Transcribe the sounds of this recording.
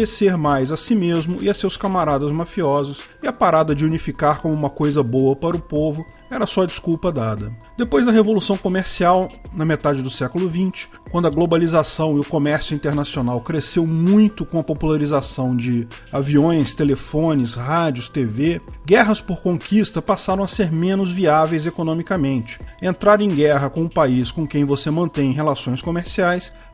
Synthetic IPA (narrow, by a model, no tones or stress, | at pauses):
eseɾmajzɐsimezmʊʔɪɐsewskamaɾad̪ɐzmafiɔzɐsɪɐpaɾad̪ɐd͡ʒɪunifikaɾkõmʊũmɐkojzɐbowɐpaɾʊpovʊ | ɛɾɐsɔɐd͡ʒiskuwpɐd̪ad̪ɐ | d̪̥epojzd̪ɐɦevolusɐ̃w̃komeɾsiawnɐmet̪ad͡ʒɪd̪ʊsɛkʊlʊvĩnt͡ʃɪ̥kʷwɐ̃nd̪ʊɐɡlobalizasɐ̃w̃ɪʊkomɛɾsjʊĩnt̪eɾnasionawkɾesewmũj̃t̪ʊkõɐpopulaɾizasɐ̃w̃d͡ʒɪ | aviõj̃st̪elefõnɪshad͡ʒʊst̪eveɡɛɦɐspoɾkõkist̪ɐpasaɾɐ̃w̃ɐseɾmẽnʊzviavejzekonõmikɐmẽnt͡ʃɪ̥ẽnt̪ɾaɾẽj̃ɡɛɦɐkõʊpaiskõkẽj̃vosemɐ̃nt̪ẽj̃ɦelasõj̃skomeɾsiajs